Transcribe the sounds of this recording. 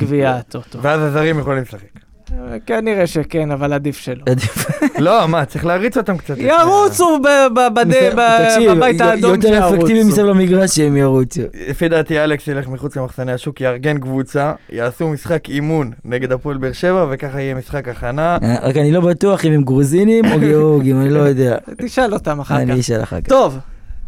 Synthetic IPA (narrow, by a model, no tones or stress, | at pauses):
ɡviat̪ot̪oveazazaʁimjeχolimlesaχek | kaniʁeʃekenavalad̪ifʃeload̪iflo̞mat͡sʁiχleaʁit͡so̞t̪amkt͡sat̪jaʁut͡subbabaebaibajtaːd̪oot̪eʁefekk̪ivimisavlamiɡʁaʃemjaʁut͡suefid̪at̪ialeksjele̞χmiχut͡slemaχsaneaʃukjaʁɡe̞nkvut͡sajaːsumisχakimunːeɡe̞d̪apolbeʁʃe̞vavekaχaijemisχakaχanaʁa̰kanilo̞bat̪uaχimemɡʁuzinimo̞ɡeoʁɡimanilo̞jod̪e̞a̰tiʃalot̪amaχaaniiʃa̰la̰χa̰kt̪ov